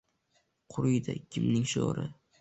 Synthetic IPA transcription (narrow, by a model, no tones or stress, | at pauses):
qʰʊɾʊjd̪a̰kʲʰɪmnɪŋʃo̰ɾɪ